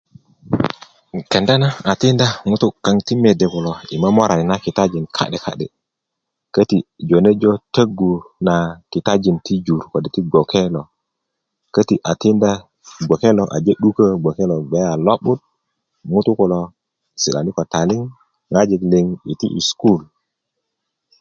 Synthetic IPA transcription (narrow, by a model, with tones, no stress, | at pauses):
ke˨nda˦na˦a˨ti˦nda˦ŋu˦tu˦kːa˦ŋti˦me˨de˨ku˨lo˨i˨ma˦mo˦ɾa˨ni˨na˦ki˨ta˦d͡ʒi˨nkʰa̰˦ɗe˨kʰa̰˦ɗḛ˨ | kə˦ti˨d͡ʒo˨ne˦d͡ʒo˦tə˦ɡu˨na˨ki˨ta˦d͡ʒi˨nti˦d͡ʒu˨ɾko˨de˨ti˦ɡo˨ke˦lo˨ | kə˦ti˨ʔa˨ti˦nda˦ | ɡ͡bo˨ke˦lo˨ʔa̰˨d͡ʒe˦ɗu˦kə˦ɡo˨ke˦lo˨ɡ͡be˨˦a˨lo˦ɓu˦t̚ | ŋu˦tu˦ku˨lo˨ | si˨ɗa˨ni˦ko˨ta˨li˦ŋ | ŋa˦d͡ʒi˨kli˦ŋi˨ti˦ʔḭ˨sku˦˨l